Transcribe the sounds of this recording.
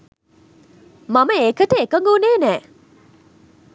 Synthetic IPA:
maməekəʈəekəŋɡuːneːnɛː

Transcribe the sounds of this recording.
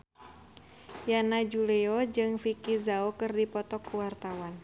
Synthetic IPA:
janad͡ʒulɛɔd͡ʒɨŋfikizaokɨrdipɔt̪ɔkːuwart̪awan

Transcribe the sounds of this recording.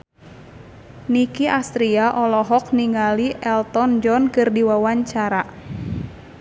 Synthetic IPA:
nikiʔast̪ɾiaʔɔlɔɦɔk̚niŋaliʔɛlt̪ɔnd͡ʒɔnkɨrdiwawaɲt͡ʃaɾa

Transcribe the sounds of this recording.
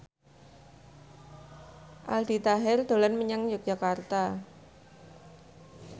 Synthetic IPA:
ʔa̰ld̪̥i̤t̪aɦɛrd̪̥o̤lanməɲaŋd͡ʒək̚dd͡ʒʒ̥a̤kart̪a

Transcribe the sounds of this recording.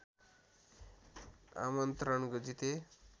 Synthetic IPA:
a̰mʌnt̪rʌnkod͡zit̪e

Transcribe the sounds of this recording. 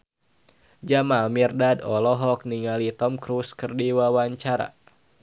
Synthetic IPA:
d͡ʒamalmirdadɔlɔɦɔk̚niŋalit̪ɔmkɾuskɨrdiwawaɲt͡ʃaɾa̰

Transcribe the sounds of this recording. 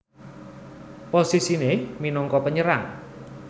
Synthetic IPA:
posisineminɔŋkɔpəɲəɾaŋ

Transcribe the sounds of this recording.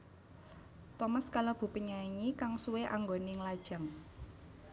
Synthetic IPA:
t̪ɔmaskalab̥ṳpəɲaiɲikaŋsuweʔa̰ŋɡonɪŋlad̥ʒ̥a̤ŋ

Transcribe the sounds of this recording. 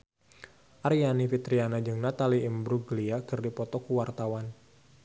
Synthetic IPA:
ʔaɾijanifit̪ɾianad͡ʒɨŋnat̪aliːmbɾuɡliakɨrdipɔt̪ɔkuwart̪awan

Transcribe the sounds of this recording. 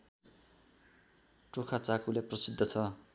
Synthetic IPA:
ʈokʰat͡sakuleprʌsid̪ʱːʌt͡sʰʌ

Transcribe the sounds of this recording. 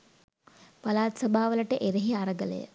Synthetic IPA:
pɐlaːt̪sɐbʱaːʋələʈəʔeɾeɦiaɾəɡələ̰jə̰

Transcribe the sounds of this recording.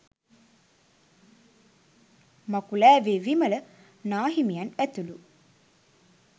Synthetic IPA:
makulæːʋeːʋimələ | naːɦimijanæt̪ulu

